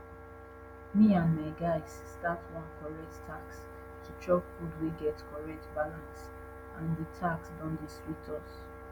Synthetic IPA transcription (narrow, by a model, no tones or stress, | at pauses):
miãnmaɪɡaɪsstatwãnkɔɹɛk̚ttʰːaks | tʰut͡ʃɔkfudweɡɛtkʰɔɹɛk̚tbalãns | ãndətʰaksdɔ̃ndəstɹitʰɔs